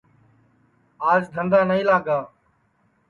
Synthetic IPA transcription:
aːd͡ʒd̪ʱənd̪aːnəĩːlaːɡaː

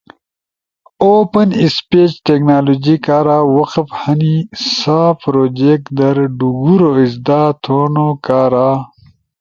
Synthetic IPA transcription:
oːpɐnispeːt͡ɕʈeknaːloːd͡ʑikaːɾaːwɐqəfhɐnisaːpɾoːd͡ʑek̚d̪ɐɾɖuɡuɾoisd̪aːt̪ʰoːnokaːɾaː

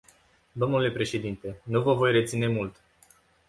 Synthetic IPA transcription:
d̪o̞mnule̞pɾe̞ʃe̞d̪int̪e̞nuvəvo̞jret̪sine̞mult̪

